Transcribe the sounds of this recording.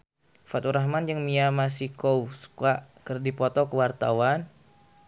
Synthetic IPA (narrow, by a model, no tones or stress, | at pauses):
fat̪uɾaɦmand͡ʒəŋmiamas̬ikouskaʔkərdipɔt̪ɔkəwart̪awan